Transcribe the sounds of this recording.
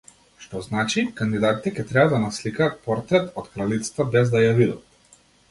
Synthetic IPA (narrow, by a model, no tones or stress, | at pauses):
ʃt̪ɔznat͡ʃikand̪id̪at̪it̪ɛkʲɛt̪ɾɛbad̪anaslikaːt̪̚pɔɾt̪ɾɛt̪ɔt̪kɾalit̪sɛ̥t̪abɛzd̪ajavid̪a̰t̪̚